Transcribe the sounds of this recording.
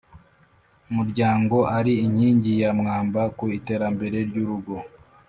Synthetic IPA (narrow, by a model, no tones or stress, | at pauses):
umuɾɟaːŋɡo̞ʔaɾiiɲiːɲɟijamŋaːmbakuite̞ːɾambe̞ɾe̞ɾɟuɾuɡo̞